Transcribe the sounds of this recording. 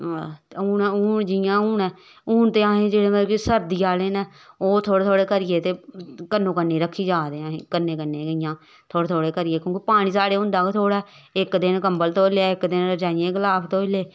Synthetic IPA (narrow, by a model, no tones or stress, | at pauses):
uːnːʊːd͡ʒɪjãːuːnɛː | ʊːnt̪eːãːɦẽːd͡ʒeːɽeːməisəɾd̪iːaːleːnɛː | oːt̪ʰoːɽeːt̪ʰoːɽeːkəɾɪjeːt̪eːkənːõːkənːeːɾəkʰːiːd͡ʒaːd̪eːãːɦẽːkənːẽːkənːẽːkəɪjãː | t̪ʰoːeːt̪ʰoːɽeːkəɾɪjeːkjõːkipaːɽ̃iːsaːɽeːɦʊ̃nd̪aːket̪ʰoːɽɛː | ɪkd̪ɪnkəmbəlt̪oːlaːɪkd̪ɪnɾəd͡ʒaːɪjẽːkəlaːpʰt̪oːɪleː